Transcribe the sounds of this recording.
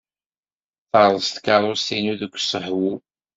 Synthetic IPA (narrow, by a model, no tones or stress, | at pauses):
θəɾˤðst̪kaɾˤʊsinuðəkʷːsəħwu